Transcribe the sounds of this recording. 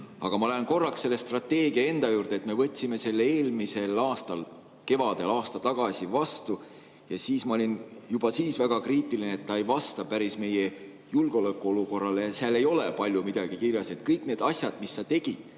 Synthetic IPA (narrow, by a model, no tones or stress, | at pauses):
ɑ̰ɡ̥ɑmɑlenko̞rːɑksːe̞lːest̪rɑt̪ːe̞ːɡ̥iɑe̞nd̪̥ɑjuːrd̪̥et̪me̞vɤt̪ʲːsime̞se̞lːee̞ːlmise̞lɑːst̪ɑl | ke̞vɑd̪̥e̞lɑːst̪ɑt̪ɑɡ̥ɑsʲivɑst̪u | jɑsiːsmɑo̞lʲinjub̥ɑsiːsvæɡ̥ɑkriːt̪ːˑilineet̪ːɑejvɑst̪ɑpæɾisme̞je | julɡ̥o̞lekːˑuo̞luko̞rːɑle̞jɑseɑle̞jo̞lepɑlʲjumid̪̥ɑɡ̥ikirjɑset̪̚kɤjkˑne̞ːd̪̥ɑsʲjɑd̪̥misːɑt̪e̞ɡ̥id̪̥